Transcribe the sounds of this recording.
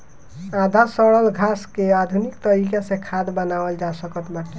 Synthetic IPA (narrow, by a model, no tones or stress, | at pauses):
ad̪ʱasəɭəlɡʱaskead̪ʱunikt̪əɾikasẽkʰad̪bənaəld͡ʒasəkət̪baʈi